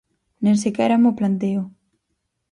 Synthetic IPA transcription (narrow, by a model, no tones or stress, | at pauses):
nẽnsekɛɾamoplant̪̬eʊ